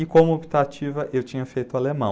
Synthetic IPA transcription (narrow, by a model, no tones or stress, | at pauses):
ɪkõmʊobit̪at͡ʃivɐʔewt͡ʃĩɲɐfejt̪ʊalemɐ̃